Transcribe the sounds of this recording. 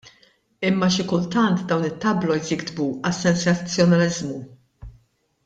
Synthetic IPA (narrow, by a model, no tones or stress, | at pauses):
ɪmːɐʃɪkʊlt̪ɐnt̪d̪ɐwnɪt̪ːɐblɔjzjɪɡd̪buɐsːɛnsɐt͡sːjɔnɐlɪzmu